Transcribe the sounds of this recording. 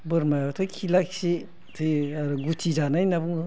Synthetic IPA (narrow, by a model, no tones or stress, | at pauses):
bɯɾmajbatʰɯkʰilaksi | tʰɯɾɡutʰizanajnabuŋ